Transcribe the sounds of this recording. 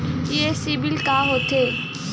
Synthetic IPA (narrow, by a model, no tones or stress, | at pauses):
jesibɪlkaːɦoːt̪eː